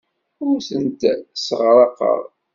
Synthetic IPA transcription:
ʊɾθənt̪səʁɾˤɑqə̰ɾˤ

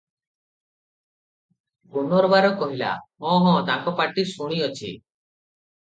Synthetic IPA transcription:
ɡunɔɾbaɾɔkɔɦila̰mɔ̃ɦɔ̃t̪ãkɔpaʈisuɽ̃iɔt͡ʃʰḭ

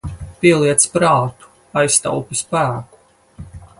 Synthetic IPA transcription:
piɛlˠiɛt̪spɾaːt̪u̥ | ajst̪a̰wpispæːku̥

